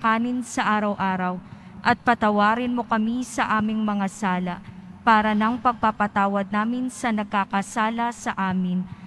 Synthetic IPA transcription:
kaːnɪnsɐʔaːɾɐwʔaːɾɐw | ʔɐt̪̚pɐt̪ɐwaːɾɪnmo̞kɐmisɐʔaːmɪŋmɐŋasaːlɐpaːɾɐnɐŋpɐɡ̚papɐt̪aːwɐd̪̚naːmɪnsɐnɐɡ̚kakɐsaːlɐsɐʔaːmɪn

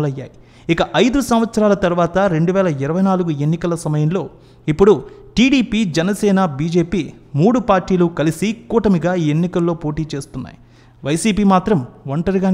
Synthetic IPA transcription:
lɐjːa̰ːji | ikɐʔɐjd̪usɐmʋɐt̪sɐɾaːlɐt̪ɐɾuʋaːt̪ɐɾe̞ɳɖuʋɛːlɐiɾɐʋɐjnaːluɡue̞nːikɐlɐsɐmɐjɐnlo̞ː | ipːuɽuʈiːɽiːpiːd͡ʒɛnɐsɛːnabiːd͡ʒe̞ːpiːmuːɽupaːɾʈːiːlukɐlisikuːʈɐmiɡaːiːenːikɐlːo̞ːpo̞ːʈiːt͡ʃe̞ːst̪unːa̰ːji | ʋɐjsiːpiːmaːt̪ɾɐmʋɐɳʈɐɾiɡaː

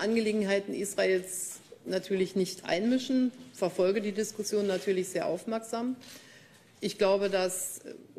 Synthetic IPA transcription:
ʔanɡəleːɡŋ̩ɦaɪtn̩ʔiːsʁ̥aʔeːlsnatʰyːɐlɪçnɪçtʔa̰ɪnmɪʃn̩fɛɐfɔlɡədiːdɪskʊsjoːnːatʰyːɐlɪçz̥eːɐʔa̰ʊfmɛɐkz̥aːm | ʔɪçɡ̥laʊbədas

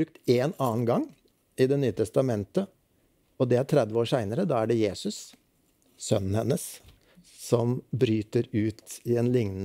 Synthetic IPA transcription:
ʉk̚t̪eːnɑːnɡɑŋː | ɪd̪ɛnyːət̪ʰɛst̪ɑmɛnt̪ə | ɔd̪ɛæɾʈʰɾɛd̪ʋəoːɾʂæɪnəɾəd̪ɑːæɖɛjeːsʉs | sœnn̩hɛnːəs | sɔmbɾyːt̪əɾʉːt̪ɪɛnlɪŋn

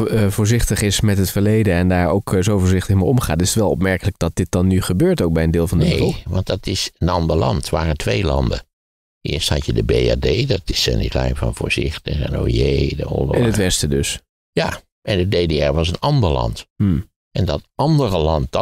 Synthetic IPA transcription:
vʊːɹzɪχtəχɪsmɛtɦətfəɹlejdəɛndaːɹowkzowvoːɹzɪχtəχmejɔmχaːtɪsətʋɛlˠɔp̬mɛɹkələɡ̚d̥ɑt̚d̥ɪt̚d̥ɑnːyχəbøːɹtowk̚bɛjəndɪːlˠvɑndəneʋɑntdɑtɪsənɑndəɹlɑ̰ntʋaːrətʰʋejlɑ̰ndə | ɪ̰ːɹsthɑ̰tjədəbejadejdɑtɪsɛ̰nitlɛjfɑ̰nv̥ʊ̰ːɹz̥ɪχtəχɛ̰no̰jedə̰ʊ̰ːlɔɪnətʋɛstədøs | jaː | ʔɛndədedeɛɹʋɑsənɑndəɹlɑ̰nt̩ | ʔɛndɑtɑndərəlɑnt̚d

